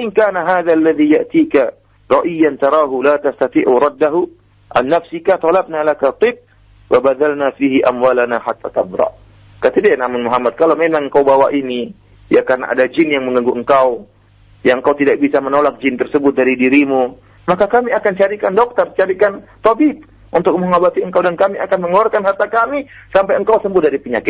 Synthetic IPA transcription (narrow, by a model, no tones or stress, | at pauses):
aʔɪŋkaːnaɦaːðalːaðijaʔt̪ika | ɾˤɑʔijːant̪ɑɾˤɑːɦulat̪ast̪at̪iʔuɾˤɑd̪ːaɦu | ʔa̰nːafsikat̪ɑlab̚nalakat̪ˤɨb̚ | wabaðalnafiɦiʔamwalanaħat̪ʰːa̰t̪abɾɑ̰ʔ | kat̪adianamʊnmuɦamːat̪̚kalawmemaŋŋkawbawaʔini | jakarna̰ʔa̰dad͡ʒɪnjaŋməŋɡaŋɡuʔəŋkaw | jaŋəŋkawt̪idak̚bisamənolak̚d͡ʒɪnt̪ərsəbʊt̪̚daɾidiɾimu | makakamiakant͡ʃaɾikandɔk̚t̪ərt͡ʃaɾikant̪obit̚ | ʔunt̪ʊk̚məŋabat̪iəŋkawdankamiakanməŋɔlɔrkanhart̪akamisampajəŋkawsəmbʊhdaɾipiɲakɪt̪